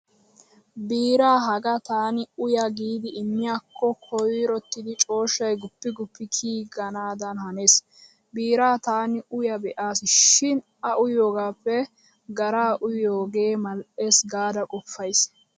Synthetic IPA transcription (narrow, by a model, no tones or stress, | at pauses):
biːɾaːɦɐɡɐt̪aːnɪʊjɐɡiːd̪ɪɪmːɪjaːkʰːɔkʰɔjɾɔt̪ːɪd̪ɪt͡ʃʼo̞ːʃːɐjɡʊpːɪɡʊpːɪkʰiːɡɐnaːd̪ɐnhɐnes | biːɾaːt̪aːnɪʔʊjɐbɛʔaːsɪʃɪn | ɐʔʊjoːɡaːpːɛ | ɡɐɾaːʔʊjoːɡe̞ːmɐlʔesɡaːd̪ɐkʼɔfːɐjs